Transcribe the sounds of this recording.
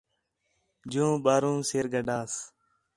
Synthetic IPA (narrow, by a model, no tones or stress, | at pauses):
d͡ʒũːɓaːɾũːseːɾɡəɖaːs